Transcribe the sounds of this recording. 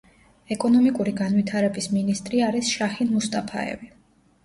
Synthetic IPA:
ɛkʼɔnɔmikʼuɾiɡanwit̪ʰaɾɛbisminist̪ʼɾiaɾisʃaχinmust̪ʼapʰa̰ɛ̰vi

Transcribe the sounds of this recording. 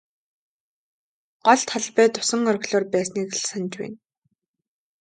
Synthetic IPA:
ɢ̥ɔɮt̪ʰaɮpæːt̪ʊ̥sə̆ŋœrɣɮoːrpæːsniːkɮsanʲt͡ɕwæ̰ːn

